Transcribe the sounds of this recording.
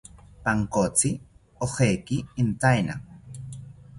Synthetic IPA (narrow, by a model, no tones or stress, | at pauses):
paŋkot͡sɪ | oχejkɪːnt̪ajna̰ŋ